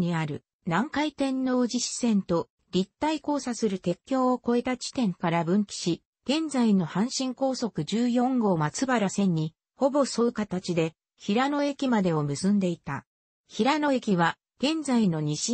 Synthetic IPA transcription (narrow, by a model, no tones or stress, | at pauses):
ɲiaɾɯ̟̰ | nãŋkait̪ẽ̞nːo̞ːd͡ʑiɕi̥sẽ̞nt̪o̞ | ɾʲit̪ːaiko̞ːsasɨɾɯ̟t̪e̞kʲːo̞ːko̞e̞t̪at͡ɕi̥t̪ẽ̞ŋkaɾabɯ̟̃ŋkʲi̥ɕi | ɡ̥ẽ̞nd͡zaino̞hãɰ̃ɕĩŋko̞ːso̞kɯ̟d͡ʑɨːjõ̞ŋɡo̞ːmat͡sɨbaɾasẽ̞ɲ̟ːi | ho̞bo̞so̞ɯ̟kat̪at͡ɕid̪e̞ | çiɾano̞e̞kʲimad̪e̞omɯ̟sɨ̃nd̪e̞it̪a | çiɾano̞e̞kʲiβa | ɡ̥ẽ̞nd͡zaino̞ɲ̟iɕi